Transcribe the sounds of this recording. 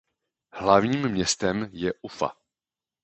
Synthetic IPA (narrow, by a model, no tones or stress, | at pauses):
hlavɲiːmmɲɛst̪ɛmjɛʔufa̰